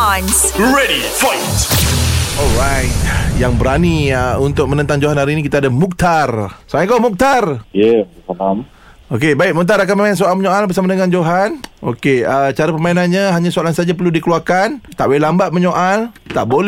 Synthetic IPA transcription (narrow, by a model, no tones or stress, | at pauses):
ns | ɹedi | fɔjt | ɔlɾajt̪̚jaŋbəɾaniəunt̪ʊk̚mənənt̪aŋd͡ʒoɦanaɾinĩkit̪aadamuk̚t̪arsamaakomuk̚t̪arjesalam | okebaɪʔ̚mut̪̬aɾakanməmaɪnsoalməɲoalbərs̬amadəŋand͡ʒoɦanʔo̰keət͡ʃaɾapəmainanɲaɦaɲãsoalansad͡ʒap̬ərludikəluarkant̪aʔwelambat̪̚mə̃ɲoʔalt̪aʔbol